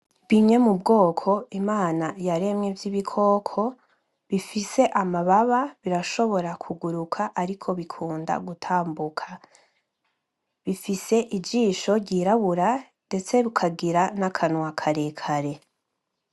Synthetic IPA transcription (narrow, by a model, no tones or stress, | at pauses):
βiɲe̞mubɡo̞ːkʰo̞imaːnajaɾe̞mɲevjiβikʰo̞ːkʰo̞ | βifise̞ʔamaβaβaβiɾaʃo̞βo̞ɾakʰuɡuɾukʰaʔaɾikʰo̞βikʰuːnda̰ɡutʰaːmbukʰḁ | βifise̞ʔid͡ʒiːʃo̞ɾɟiːɾaβuɾa | nde̞t͡se̞βukʰaɡiɾanakʰanwakʰaɾe̞kʰaɾe̞